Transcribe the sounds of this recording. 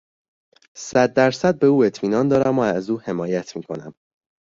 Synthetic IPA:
sæd̪̚ːæɾsæd̪̚be̞uːe̞t̪ʰmiːnɒːnd̪ɒːɾæmɒæzuːhe̞mɒːjæt̪ʰmiːkʰonæ̰m

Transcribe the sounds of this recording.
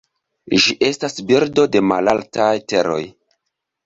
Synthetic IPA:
ʒiʔe̞stasbiɾdo̞de̞ma̰laltajte̞ɾo̞̰j

